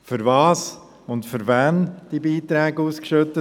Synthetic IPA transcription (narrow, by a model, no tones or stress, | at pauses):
fʏɾvɑːs | ʊntfʏɾvænd̥ibiːt̪ɾɛːɡəuːskʃøt̪ə